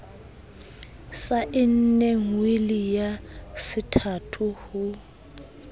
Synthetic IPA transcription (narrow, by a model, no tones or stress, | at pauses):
saʔɪn̩neŋwelijasɪtʰatʰuhu